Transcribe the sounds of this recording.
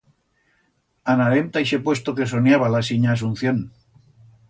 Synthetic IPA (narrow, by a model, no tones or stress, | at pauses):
anaɾemt̪ajʃe̞pwe̞st̪oke̞sonjaβalasiɲaːs̬un̟θjon